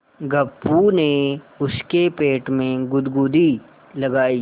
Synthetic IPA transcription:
ɡɐpːuneʊskepeːʈmẽɡʊd̪ɡuːd̪i | lɐɡaːiː

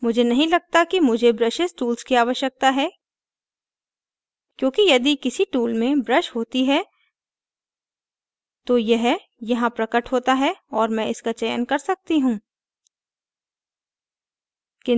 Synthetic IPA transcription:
mʊd͡ʒʱenɐɦĩlɐɡ̚t̪akimʊd͡ʒʱebɾɐʃesʈuːlzkiaːʋəʃjək̚t̪aɦɛː | kjõːkijɐd̪ikɪsiʈuːlmẽbɾɐʃɦoːt̪iɦɛː | t̪ojɐɦ | jɐɦãpɾɐkəʈɦoːt̪aɦɛɔːɾmɛ̃ɪskat͡ʃɐjə̰nkɐɾsɐk̚t̪iɦũː | kɪ̃

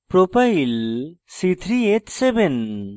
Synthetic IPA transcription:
pɾopɐilsit̪ʰɾiet̪seben

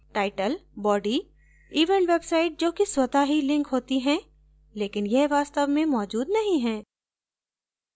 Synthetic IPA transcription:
ʈaːɪʈəlbɔːɖi | iːʋə̃ɳʈʋeːbsaːɪʈ̚d͡ʒoːkiswɐt̪aɦilɪ̃ŋkɦoːt̪iɦɛ̃ | leːkɪnjɛɦʋaːst̪əʋmẽmɔːd͡ʒuːd̪nɐɦĩɦɛ̃ː

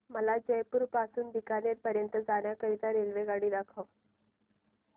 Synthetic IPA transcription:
məlad͡ʑəjpuɾpasuːnd̪ikanjeɾpəɾjənt̪əd͡zaɳjakəɾit̪aɾelʋeɡaɽiːd̪akʰəw

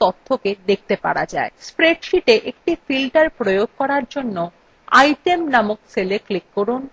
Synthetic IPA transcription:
t̪ot̪ʰːoked̪ek̚t̪epa̰ɽad͡ʑa̰espɾeɖʃiʈeʔek̚ʈifilʈaɾpɾojoɡ̚kɔɾaɾd͡ʑonːo | a̰jʈemnamok̚seleklikːoɾun

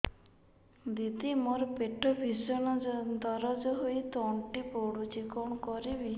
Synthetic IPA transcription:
d̪it̪imɔɾɔpeʈʰɔbʱisɔnd̪ɔɾɔd͡ʒɔɦojt̪ɔɳʈipoɽud͡ʒikɔɳɔkɔɾibi

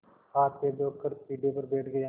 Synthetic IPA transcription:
haːt̪eːd̪oːkəɾpiːɖijoːpəɾbeːʈʰɡəj

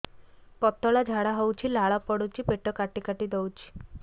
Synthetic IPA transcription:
pɔt̪ːɔɭad͡ʒʱaɽaɦowt͡ʃʰilaɭapɔɽut͡ʃipeʈɔkaʈikaʈid̪ɔwt͡ʃʰi̥

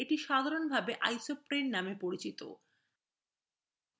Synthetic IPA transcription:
eʈiʃad̪ʱaɾonbʱabeʔajsopɾenːamepoɾit͡ɕit̪o̰

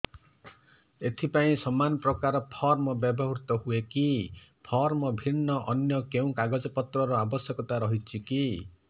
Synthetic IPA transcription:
et̪ʰipaĩsɔmanɔpɾɔkaɾɔpʰɔɾmɔbjɔbɔɦuɾt̪ɔɦuekipʰɔɾmɔbʱinːɔʔɔnjɔkeũkaɡɔd͡ʒɔpɔt̪ɾɔɾɔabɔsjɔkɔt̪aɾɔɦit͡ʃʰiki

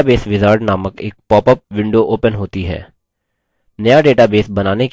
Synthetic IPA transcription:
beːsʋɪzaːɾɖnaːməkeːk̚pɔːpəp̚ʋɪ̃ɳɖoʔoːpənɦoːt̪iɦɛ̰ː | nɐjaɖeːʈabeːsbɐnaːnek

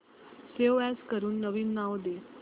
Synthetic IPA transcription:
seoɛskəɾuːnːəʋiːnːaʋd̪e

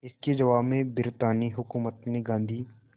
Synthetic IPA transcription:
ɪsked͡ʒɐʋaːbmẽbɪɾt̪aːniɦʊkuːmət̪neɡãːnd̪ʱiː

